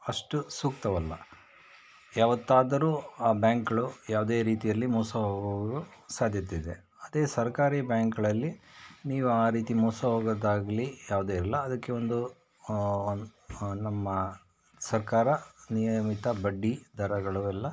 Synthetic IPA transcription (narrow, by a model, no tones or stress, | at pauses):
ɐʂʈusuːkt̪ɐʋɐlːɐ | jaːʋɐt̪ːaːd̪ɐɾuːaːbjaːŋkɐɭujaːʋud̪e̞ːɾiːt̪ijɐlːimɔːsɐɦoːɡɐʋɾusaːd̪ʱjɐt̪eid̪e | ɐd̪e̞ːsɐɾkaːɾiːbjaːŋkɐɭɐlːiniːʋuaːɾiːt̪imɔːsɐɦoːɡɐd̪aːɡlijaːʋud̪eːɾɐlːɐːd̪ɐkːe̞o̞nd̪u | nɐmːɐ | sɐɾkaːɾɐnijɐmit̪ɐbɐɖːid̪ʱɐɾɐɡɐɭuɛlːɐ